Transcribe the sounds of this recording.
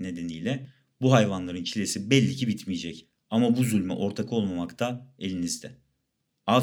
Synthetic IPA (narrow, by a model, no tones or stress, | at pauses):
ne̞d̪e̞nijlʲɛ | buɦajvanlˠaɾɯnt͡ʃʰilʲesibɛlʲːicibit̪mijed͡ʒɛc | amabuzylʲmɛ̰ʔo̞ɾt̪ʰakʰo̞lˠmamakt̪ʰaelʲinizd̪ɛ | a